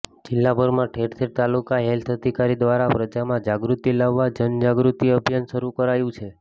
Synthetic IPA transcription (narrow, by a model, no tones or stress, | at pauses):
d͡ʒɪlːabʱəɾmãʈʰeʈt̪ʰeɾt̪alukaɦelt̪ʰəd̪ʱikaɾid̪ʋaɾapɾəd͡ʒamãd͡ʒaɡɾut̪ilaʋːad͡ʒənd͡ʒaɡɾut̪iəbʱjənʃəɾukəɾajũt͡ʃʰe